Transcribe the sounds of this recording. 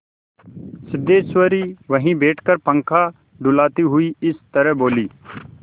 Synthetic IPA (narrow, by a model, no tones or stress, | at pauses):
sɪd̪eːsʋəɾiːʋəɦĩbeːʈʰkəɾpə̃ŋkʰa | ɖʊlaːt̪iɦʊiɪst̪əɾɛboːliː